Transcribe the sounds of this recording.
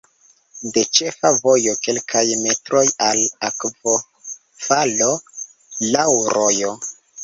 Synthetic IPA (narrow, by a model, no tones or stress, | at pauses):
de̞t͡ʃe̞favo̞jo̞ke̞lkʰajme̞tɾo̞jalakvo | falo̞ | lawɾojo̞